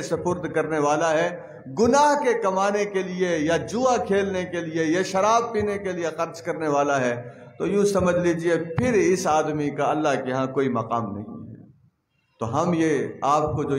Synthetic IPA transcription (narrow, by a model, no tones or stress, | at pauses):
sɐpʊːɾd̪kɐɾneʋaːlaɦɛ | ɡʊnaːɦkekɐmaːnekeliejad͡ʒuːakʰeːlnekeliejaʃɐɾaːb̚piːnekeliexɐɾd͡ʒkɐɾneʋaːlaɦɛt̪ojũːsɐməd͡ʒʱliːd͡ʒiepʰɪɾɪsaːd̪mikaɐlːaɦkeɦãkoːimɐqaːmnɐ̰ɦḭ̃ɦɛ̰ː | t̪oɦɐmjeaːp̚kod͡ʒoː